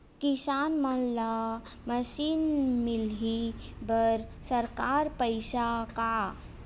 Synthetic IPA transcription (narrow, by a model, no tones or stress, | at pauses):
kisaːnmənla | məʃiːnmilɦibəɾsəɾkaɾpəjsaka